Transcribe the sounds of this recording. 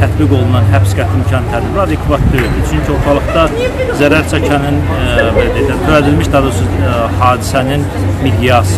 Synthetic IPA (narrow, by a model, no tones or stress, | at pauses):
t̪ʰæt̪biɡo̞lˠunɑnɦæpsɡæt̪ʰimcʰɑnt̪ʰæd̪biɾɑd̪ekʰvɑt̪̚d̪øɾɾd̪it͡ʃʰyncʰio̞ɾt̪ʰɑlˠɯχd̪ɑ | zæɾæɾt͡ʃʰɑcʰɑnɯn | belæd̪ed̪æt̪ʰøæd̪ilmiʃd̪ɑd̪ɯsuzhɑːd̪isænin | mid̪ijɑs